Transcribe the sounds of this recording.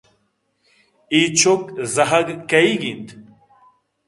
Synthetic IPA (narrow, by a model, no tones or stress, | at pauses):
it͡ɕokzɐɦɐɡkɐiɡint̪